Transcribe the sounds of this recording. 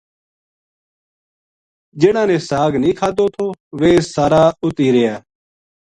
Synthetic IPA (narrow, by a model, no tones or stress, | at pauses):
d͡ʒɪɽãːnẽːsaːɡnĩːkʰaːd̪oːt̪ʰoːʋeːsaːɾaːʊt̪iːɾɪjaː